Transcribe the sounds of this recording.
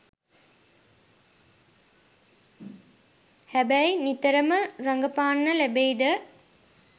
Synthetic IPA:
hæbæjnit̪əɾəməɾaŋɡəpaːnːəlæbejd̪ə

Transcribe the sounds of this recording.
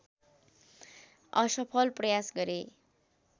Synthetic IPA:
ʌsʌpʰʌlprʌjasɡʌɾe

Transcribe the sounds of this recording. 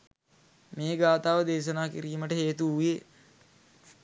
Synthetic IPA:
meːɡaːt̪aːʋəd̪eːʃənaːkiɾiːməʈəɦeːt̪uie

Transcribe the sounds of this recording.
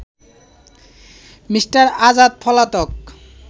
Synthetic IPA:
misʈaɾad͡zad̪̚pʰɔlat̪ɔk̚

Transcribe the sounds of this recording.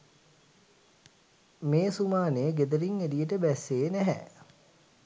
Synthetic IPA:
meːsumaːneːɡed̪əɾiŋedijəʈəbæsːeːnæɦɛ̰

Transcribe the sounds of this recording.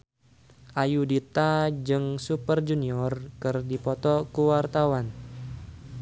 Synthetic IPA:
ʔajudit̪ad͡ʒɨŋsupərd͡ʒuniɔrkɨrdipɔt̪ɔkuwart̪awan

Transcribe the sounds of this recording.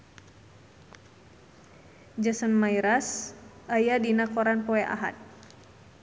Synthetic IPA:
d͡ʒasənmajɾasʔajadinakɔɾanpɔɛʔa̰ɦa̰t̪̚

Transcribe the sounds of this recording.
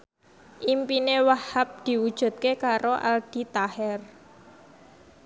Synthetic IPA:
ʔimpinewahap̚d̪̥i̤wud̥ʒ̥ṳt̪̚kekaɾoʔa̰ld̥i̤t̪ahɛr

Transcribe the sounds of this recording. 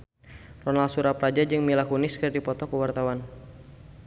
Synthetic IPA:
rɔnalsuɾapɾad͡ʒad͡ʒɨŋmilakunɪskərdipɔt̪ɔkəwart̪awan

